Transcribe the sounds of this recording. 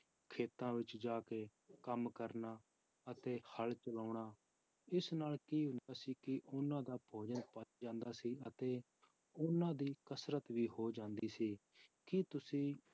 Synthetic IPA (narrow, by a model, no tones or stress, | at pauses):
kʰeːt̪ãːʋɪt͡ʃd͡ʒaːkeː | kəmkəɾnaː | ət̪eːhəlt͡ʃəlaːɳaː | ɪsnaːlkiːɦʊ̃nd̪aːsiːkɪʔʊnãːd̪aːpʰoːd͡ʒənpət͡ʃd͡ʒãːnd̪aːsiːət̪eː | ʊnãːd̪iːkəsɾət̪ʋiːɦoːd͡ʒãːnd̪iːsiː | kɪt̪ʊsĩː